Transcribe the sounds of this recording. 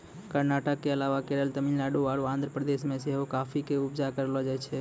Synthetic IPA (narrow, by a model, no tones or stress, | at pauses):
kəɾnaʈəkːeəlaʋakeɾəlt̪əmillaɖoʋaɽoãːnd̪ʱɾəpɾəd̪eʃmẽseɦokafʰikeʊbd͡ʒakəɾlod͡ʒat͡ʃʰe